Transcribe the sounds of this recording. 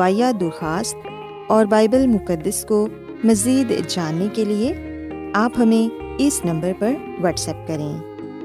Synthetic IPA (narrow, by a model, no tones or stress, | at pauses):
aːjad̪ʊɾxaːst̪̚ | ɔːɾbaːɪbəlmʊkəd̪ːəsko | mɐziːd̪d͡ʒaːnːekelie | aːpɦɐmẽɪsnɐ̃mbəɾpɐɾ | ʋɐʈsɛːp̚kɐɾẽː